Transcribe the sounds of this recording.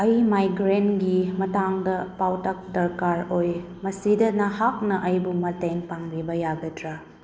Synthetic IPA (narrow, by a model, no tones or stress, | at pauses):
ɐjmajɡɾenɡimɐtaŋdɐpawtɐk̚dɐɾkaɾoj | mɐsidɐnɐhak̚nɐʔɐjbumɐtenpaŋbibɐjaɡɐtɾa